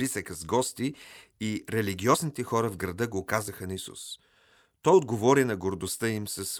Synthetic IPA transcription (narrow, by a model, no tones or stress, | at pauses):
pisəkəzɡɔst̪iː | ɾɛliɡʲiɔznit̪ɛxɔɾəvɡɾɐd̪əɡokazəxənɐisṵs | t̪ɔjod̪ɡovɔɾinɐɡoɾd̪ost̪əimsɐs